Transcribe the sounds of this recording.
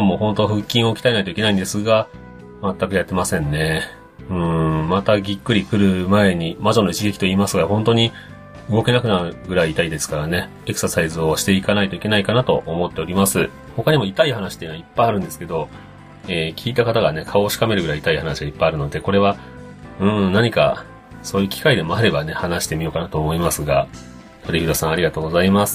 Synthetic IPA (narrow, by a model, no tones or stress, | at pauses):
moːhõnt̪o̞ɸɯ̟kʲːĩɰ̃o̞kʲi̥t̪aenait̪o̞ikeaĩnd̪e̞sɨɡa | mat̪ːakɯ̟jat̪ːe̞masẽ̞nːe̞ | ɯ̟̃mat̪aɡʲikːɯ̟ɾʲikɯ̟ɾɯ̟mae̞ɲ̟imaʑo̞noit͡ɕiɡe̞kʲi̥t̪o̞iːmasɨɡahõ̞nt̪o̞ɲ̟i | ɯ̟ɡo̞ke̞nakɯ̟naɾɯ̟ɡɯ̟ɾaiːt̪aid̪e̞sɨ̥kaɾane̞ | e̞kɯ̟̥sasaizɨo̞ɕi̥t̪e̞ikanait̪o̞ike̞naikanat̪o̞̰ʔomo̞t̪ːe̞o̞ɾʲimasɨ | ho̞kaɲ̟imo̞it̪aiɦanaɕi̥t̪ːenoaipːaiaɾɯ̟̃nd̪esɨ̥ke̞d̪o̞ | eːkʲʰiːt̪akat̪aɡane̞kʰaoːɕi̥kame̞ɾɯɡɯ̟ɾait̪aihanaɕiɡaipːaiaɾɯ̟no̞d̪e̞ko̞ɾe̞βa | ɯ̟̃naɲ̟ika̰ | so̞ːjɯ̟kʲi̥kaid̪e̞mo̞aɾe̞bane̞hanaɕi̥t̪e̞mʲio̞ːkanat̪oːmo̞imasɨɡa | t̪ʰo̞ɾʲiçid̪osãɰ̃aɾʲiɡat̪o̞ːɡo̞zaimasɨ̥